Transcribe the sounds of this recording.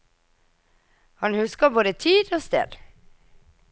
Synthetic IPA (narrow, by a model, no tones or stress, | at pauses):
hɑnhʉskəboːd̪ət̪ʰiːd̪oːst̪ḛːd̪